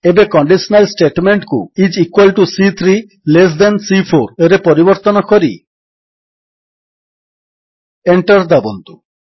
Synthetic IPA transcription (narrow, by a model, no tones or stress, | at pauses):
ebekɔɳɖisonalsʈeʈmeɳʈkṵid͡ʒikwalʈusit̪ʰɾi | les̬d̪ɛnsipʰoɾeɾepɔɾibɔɾt̪ɔnɔkoɾḭ | eɳʈaɾd̪abond̪u